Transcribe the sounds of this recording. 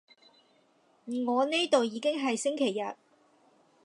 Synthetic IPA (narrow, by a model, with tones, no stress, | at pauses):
m̩˨˩ŋɔː˨˧ne˥jt̪o˨wjiː˨˧˥kɪ˥ŋɦɐ˨jsɪ˥ŋkʰe˨˩jːɐ˨t̚